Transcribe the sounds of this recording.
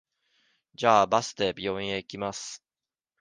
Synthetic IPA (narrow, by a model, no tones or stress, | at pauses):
d͡ʑaːbasɨ̥t̪ebʲioĩeikʲimasɨ̥